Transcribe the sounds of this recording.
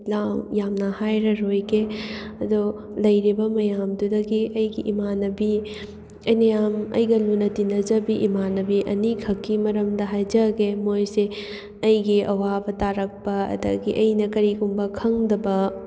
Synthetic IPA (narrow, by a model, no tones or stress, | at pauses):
lawjamnɐhajɾɐɾojkeɐd̪olɐjɾibɐmɐjamdudɐɡiʔɐjɡiʔimanɐbi | ɐjnɐjamɐ̰jɡɐlunɐtinɐd͡ʒɐbiʔimanɐbiʔɐ̰nikʰhɐkːimɐɾɐmd̪ɐɦajd͡ʒɐɡemojse | ɐjɡiʔɐwabɐtaɾɐk̚pɐɐ̰d̪ɐ̰ɡiʔɐjnɐkɐɾiɡumbɐkʰɐŋd̪ɐbɐ